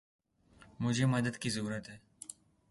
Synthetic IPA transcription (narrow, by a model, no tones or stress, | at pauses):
mʊd͡ʒʱemɐd̪əd̪kizɐɾuːɾət̪ɦɛː